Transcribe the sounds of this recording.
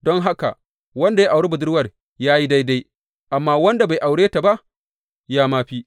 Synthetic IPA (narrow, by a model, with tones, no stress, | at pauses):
dɔ˦ŋɦa˦ka̰˨ | wɐ˦nda˨ja˦ʔa˨wɽe˦bʊ˨dʊ˦rwɐ˨r | jaː˦ji˦da˦jda˦j | ʔa˨mːaː˦wɐ˦nda˨ba˨jʔa˨wɽeː˦ta˨ba˦ʔ | jaː˦maː˦ɸiː˦